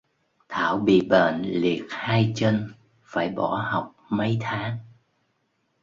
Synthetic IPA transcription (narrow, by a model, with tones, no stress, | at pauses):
t̪ʰaː˧˩˨wɓḭ˧˨ɓə̰ː˧˨nli˨˩ək̚haː˧jt͡ɕə˧n | faː˧˩jɓɔ˧˩ha˨˩wk͡p̚mə˨˦jt̪ʰaː˨˦ŋ